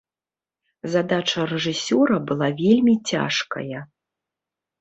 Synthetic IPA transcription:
zad̪at͡ʂɐrɛʐɨsʲɔɾɐbɨlˠavʲelʲmʲit͡sʲa̰ʂkɐ̰jɐ

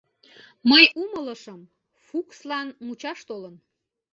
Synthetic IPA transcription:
məjumələʃəm | fukslɑnmut͡ɕɑʃt̪olən

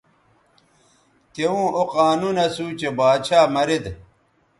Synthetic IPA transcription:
t̪ewũːʔoqaːnunɐsut͡ɕebaːd̪t͡ɕʰaːmɐɾid̪

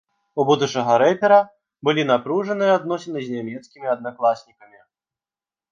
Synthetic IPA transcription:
ubud̪ut͡ʂɐɣɐɾɛpʲɛɾɐ | bɨlʲinapɾuʐɐnɨjɐad̪nɔsʲɐnɨzʲnʲamʲɛt̪skʲimʲiɐd̪̚naklˠasʲnʲikɐmʲi

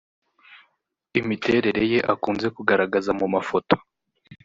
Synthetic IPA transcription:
imite̞ɾe̞ɾe̞je̞ʔakuːnze̞kuɡaɾaɡazamumafo̞to̥

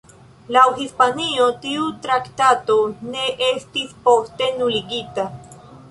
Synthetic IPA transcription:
lawhispaniot̪iut̪ɾakt̪at̪o̞ne̞ʔest̪ispost̪enuliɡit̪a

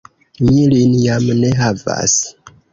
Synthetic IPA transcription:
nilinjamneɦava̰s

